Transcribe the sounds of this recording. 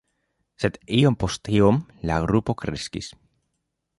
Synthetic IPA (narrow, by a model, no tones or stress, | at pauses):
set̪iompost̪iomlaɣɾupokɾeskḭs